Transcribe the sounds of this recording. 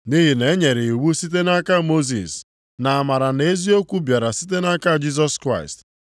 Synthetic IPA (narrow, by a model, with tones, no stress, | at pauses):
ni˦ɦi˨ne˨˦ɲe˨ɾɪ˨i˨wu˦si˦t̬e˦na˦ka˦mo˦zḭ˨s | na˨a˨ma˨ɾa˨ne˦zi˦o˦kʷu˦bja˨ɾa˨si˦t̬e˦na˦ka˦d͡ʒi˦z̬ɔ˦skɾa˦˨ɪ̰˨st